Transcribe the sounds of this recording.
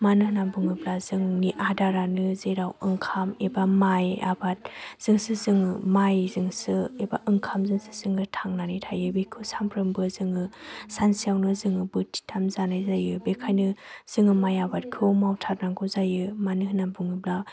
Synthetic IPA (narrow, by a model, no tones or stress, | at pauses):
manɯhɯnambuŋɯblazɯŋniʔadaɾanɯzeɾawɯŋkʰamebamaja̰bat̚z̥ɯŋsɯzɯŋɯmajzɯŋsɯeba̰ʔɯŋkʰamzɯŋsɯ̥z̥ɯŋɯtʰaŋnanitʰajɯbekʰɯsampʰɾɯmbɯzɯŋɯsansijawnɯzɯŋɯbɯtʰi̥tʰamzanajzajɯbekʰajnɯz̥ɯŋɯmajabat̚kʰɯmawtʰaɾ̚naŋɡɯzajɯmanɯɦnambuŋɯbla